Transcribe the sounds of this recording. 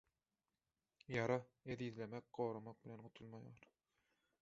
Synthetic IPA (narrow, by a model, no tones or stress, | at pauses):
jɑɾɑeðiðlemek̚ɢoːɾɑmɑq̚bilʲenɢut̪ʰulˠmɑjɑːɾ